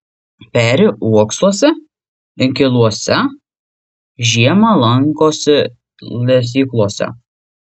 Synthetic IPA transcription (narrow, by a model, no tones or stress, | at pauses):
pʲæːɾʲɪʔuɔkslˠuɔsʲɛ | ɪŋʲkʲɪlˠuɔsʲɛ | ʒʲiɛmɐlˠɐŋˑkoːsʲɛ | lʲɛs̬ʲiːklˠuɔsʲɛ̰